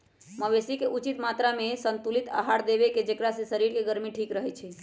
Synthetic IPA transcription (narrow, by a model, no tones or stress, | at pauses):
məʋesikeʔut͡ʃit̪mat̪ɾamesənt̪ulit̪a̰ɦaɽd̪ebeked͡ʒekɾasesəɾiɾkeɡəɾmiʈʰikɾəɦɛt͡ʃʰɛ